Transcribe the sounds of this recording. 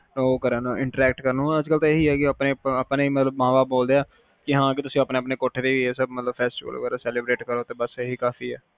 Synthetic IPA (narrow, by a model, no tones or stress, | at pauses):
oːkəɾənoːɪ̃ɳʈəɾɛːk̚ʈkəɾnõːəd͡ʒkəlt̪ãeɦiːɛːkɪəːpneːapneːmət̪ləbmãːʋaːboːld̪eːaː | kɪɦãːk̬ɪt̪ʊsĩːəpneːəpneːkoʈʰːeːd̪eːʋiːɛːsəbmət̪ləbpʰɛːsʈiːʋə̰lə̰ɡəɾoːsɛːleːbɾeːʈkəɾoːt̪eːbəseɦiːkaːfiːɛː